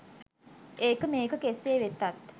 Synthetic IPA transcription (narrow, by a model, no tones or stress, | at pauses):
eːkɐmeːkɐkeseːʋet̪ːɐt̪ː